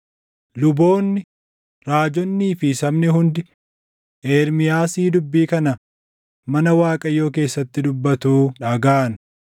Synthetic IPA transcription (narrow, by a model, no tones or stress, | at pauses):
lʊbo̞ːnːɪ | ɾaːd͡ʒɔnːiːfɪsɐmnɪɦʊnd̪ɪ | ʔeːɾmɪjaːsiːd̪ʊbːiːkɐnɐ | mɐnɐwaːkʼɐjːo̞ːk̬e̞ːsːɐt̪ːɪd̪ʊbːɐt̪uːᶑɐɡaːɐn